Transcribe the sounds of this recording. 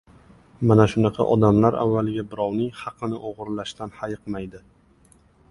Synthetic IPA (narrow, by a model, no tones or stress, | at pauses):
manaʃʊnɑqʰɑ̰ʔɒ̰d̪amlaɾa̰vːalɪɡʲabɪɾɒwnɪŋhɑqʰɨnɪʔoʁʊɾlaʃt̪anhajɨqmajd̪ɪ